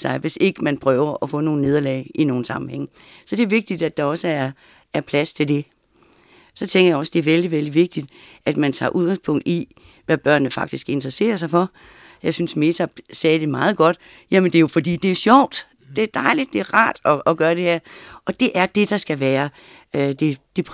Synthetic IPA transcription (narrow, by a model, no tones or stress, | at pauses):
sɑ̈ɪʋe̝se̝ɡ̥əmænpʰʁœːʊɐʔɒfɔ̰̽ːno̝ːn̩ne̝ð̞ˠɐlɛ̰ɪino̝ːn̩sɑ̈mm̩heŋ̰ | sɒ̽d̥e̝ɐʋe̝ɡ̥̚d̥id̥æd̥ɑ̈ɒ̽səæɐ | æɐpʰlæst͡sʰe̝ld̥e̝ | sɒ̽t͡sʰeŋɡɐjɑ̈ɒ̽sd̥e̝æɐʋeld̥iʋeld̥iʋe̝ɡ̥̚d̥id̥ʔæd̥mænt͡sʰɑ̰̈ːʔuð̞ˠɡ̥ɑ̈ŋspʰɔ̽ŋ̰d̥i | ʋæb̥ɶɐ̰nːəfɑ̈ɡ̥d̥isɡ̥e̝nd̥əʁɐse̝̰ːɐs̬ɑ̈ɪfɒ̽ | jɑ̈ɪsynsme̝t͡sʰæsɛːd̥e̝mɑ̈ːð̞̩ˠɡ̥ɒ̽d̥ | jæmend̥e̝jo̝fɒ̽d̥ḭːd̥e̝æɐɕɒʊ̰d̥ | d̥e̝æɐd̥ɑ̈ɪlid̥ːe̝æɐʁɑ̰̈ːd̥ɒ̽ʔɒ̽ɡ̥ɶːɐɾ̥e̝hæɐ̰ɒ̽d̥e̝ʔæɐd̥e̝d̥ɑ̈sɡ̥æʋæːɐ | ød̥e̝d̥e̝pʰ